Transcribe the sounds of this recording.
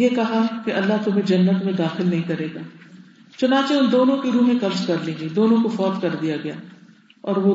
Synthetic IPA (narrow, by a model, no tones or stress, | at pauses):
jekɐɦakeʔɐlːaɦt̪ʊmẽd͡ʒɐnːət̪mẽd̪aːxɪlnɐɦĩkɐɾeːɡaː | t͡ʃʊnãːt͡ʃeʊnd̪oːnõkiɾuːmẽkɐbzkɐɾlẽːŋɡid̪oːnõkofɔːt̪kɐɾd̪ijaɡɐja̰ː | ɔːɾʋo